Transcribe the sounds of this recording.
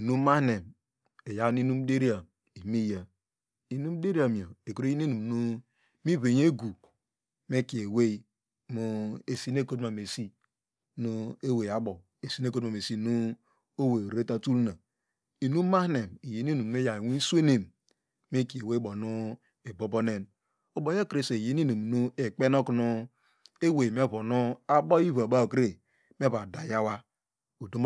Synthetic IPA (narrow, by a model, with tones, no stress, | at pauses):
i˨nu˦ma˦ne˨m | e˨ja˦n˦i˦nu˦m˦de˦ɾi˦a˨m | i˨mi˦ja˨ | i˨nu˦m˦de˦ɾi˦a˨mi˨o˨e˨ko˨ɾe˦i˦e˦nu˨m˨nu˦ | mi˦βe˨je˦ɡu˨ | me˦ki˨e˨we˦ | mu˦e˨si˦ne˦ko˦tma˨me˨si˦ | nu˦e˦we˨a˨bo˨ | e˨si˦ne˦ko˦tma˨me˨si˦nu˦ | o˦we˨ɾe˦ta˦tu˦lna˨ | i˨nu˦ma˦hne˨mi˨je˨n˦i˦nu˨m˨˦e˦ja˨wi˦n˦su˦e˦ne˨m | me˦ki˨e˨we˦bo˨nu˦ | e˨bo˦bo˦ne˦n | o˦bo˨jo˦kɾe˦se˨je˨˦ni˦nu˨m˨nu˦e˨k͡pe˦no˦knu˦ | e˦we˨m˦e˦bo˨nu˦a˦bo˦i˦va˨ba˦o˨ke˨ | me˦ba˨da˨ja˦wa˦ | o˨do˦m˦